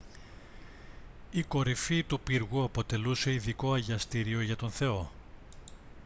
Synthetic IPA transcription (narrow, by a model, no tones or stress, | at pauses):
iko̞ɾifit̪upiɾɣuɐpo̞t̪e̞luse̞iðiko̞ɐʝɐst̪iɾio̞ʝɐt̪o̞nθe̞o̞